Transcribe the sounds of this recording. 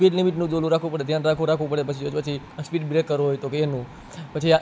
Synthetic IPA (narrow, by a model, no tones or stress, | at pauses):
piʈlimiʈnũd͡ʒolũɾakʰũpəɽed̪ʱjãnɾakʰũɾakʰʋũpəɽepət͡ʃʰiod͡ʒpət͡ʃʰi | əspiʈ̚bɾekːəɾoɦojt̪okeenũ | pət͡ʃʰia